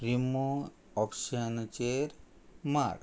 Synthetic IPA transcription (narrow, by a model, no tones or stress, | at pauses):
ɾimo | ɔpʃənt͡ʃeɾ | ma̰ɾ